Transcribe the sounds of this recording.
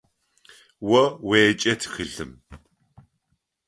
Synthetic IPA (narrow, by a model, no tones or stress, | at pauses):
wɐweːt͡ʃʼɐtʰxɨɬɨm